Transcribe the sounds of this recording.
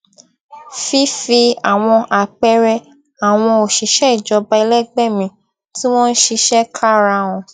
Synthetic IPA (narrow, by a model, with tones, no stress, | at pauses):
fi˦fi˧a˨w̃ɔ̃˧ʔa˨k͡pɛ˦ɾɛ˧ | a˨w̃ɔ̃˧o˨ʃi˨ʃɛ˦i˦˨d͡ʒɔ˨˧ba˧i˧lɛ˦ɡ͡bɛ˦˨mĩ˧ | ti˦w̃ɔ̃˦n̩˦ʃi˧ʃɛ˦kʰa˦˨ɾa˧˨w̃ɔ̃˧